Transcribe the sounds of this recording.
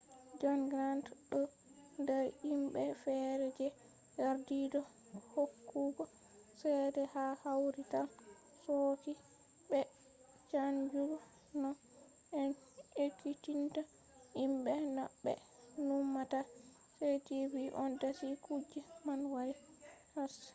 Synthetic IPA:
d͡ʒanɡɾantɗɔ | ndɛɾimɓɛfɛɾɛd͡ʒɛ | jaɾdidɔ | hokːuɡɔ | sɛjdɛhahawɾitan | sɔki | bɛ | t͡ʃaɲd͡ʒuɾɔ | nɔ | ɛn | ekːitinta | imbɛna̰bːɛ̰ | numːata | setiviʔɔndasikud͡ʒimanwaɾi | has

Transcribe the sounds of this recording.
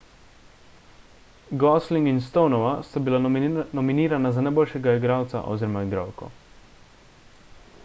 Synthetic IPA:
ɡɔsliŋɡinst̪ownɔʋast̪abilanɔminiːɾanazanajboːlʃɛɡaiɡɾaːwt̪sa̰ʔɔ̰wziːɾɔmaiɡɾa̰ːwkɔ̰

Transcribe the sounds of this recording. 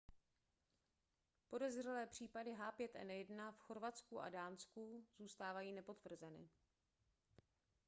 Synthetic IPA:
po̞dɛzr̝ɛlɛːpr̝̥iːpadɪɦaːpjɛt̪ʔɛ̰njɛdnafxo̞ɾvat͡skuʔa̰daːnskuz̥uːst̪aːvajiːnɛpo̞t̪vr̩zɛnɪ̰

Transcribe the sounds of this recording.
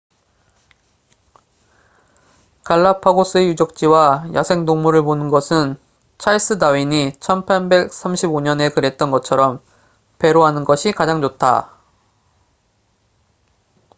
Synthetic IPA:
kaɭːapʰaɡos͈ɯejud͡ʑʌk̚t͡ɕ͈iwajasʰe̞ŋnoŋmuɾɯɭponɯnɡʌsʰɯn | t͡ɕʰais͈ɯdaɥiɲit͡ɕʰʌnpʰaɭbe̞k̚s͈ʰamɕʰiboɲʌne̞kɯɾe̞t̚t͈ʌnɡʌt͡ɕʰʌɾʌm | pe̞ɾoɦanɯnɡʌɕʰikad͡ʑaŋd͡ʑotʰa̰

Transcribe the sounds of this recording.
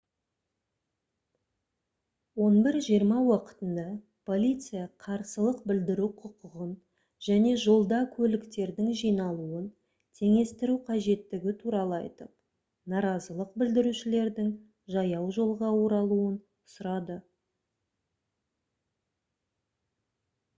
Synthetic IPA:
wo̞nbɪɾʒijəɾmɑwɑqə̥t̪ənd̪ɑ | pʰo̞lʲit̪sɨjɑqʰɑɾsəlˠəq̚bɪld̪ɪɾuqʰʊqəʁən | ʒ̥æne̞ʒo̞lˠd̪ɑkʲʰɵlɪkt̪e̞ɾd̪ɪŋʒijnɑlˠuən | t̪ʰe̞ŋe̞st̪ɪɾuqʰɑʒe̞t̪ːɪɡʲɪt̪ʰuɾɑlˠəɑ̰jt̪əp̚ | nɑɾɑzəlˠəq̚bɪld̪ɪɾuʃɪle̞ɾd̪ɪŋ | ʒɑjɑwʒo̞lˠʁɑwo̞ɾɑlˠuən | ʊsɾɑd̪ə

